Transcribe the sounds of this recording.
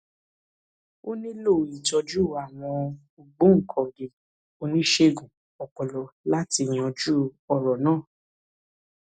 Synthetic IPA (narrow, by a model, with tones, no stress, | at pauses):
o˦nĩ˦lo˦˨i˨d͡ʒɔ˧d͡ʒu˦˨a˨w̃ɔ̃˧ | o˧ɡ͡bũ˦ŋ̩˨kʰɔ̃˨ɡe˨ | o˧nĩ˦ʃe˧ɡũ˨ | ɔ˨kɔ˧lɔ˧la˦ti˧˨j̃ɔ̃˧d͡ʒu˦ɔ˧˨ɾɔ˨nãː˦˨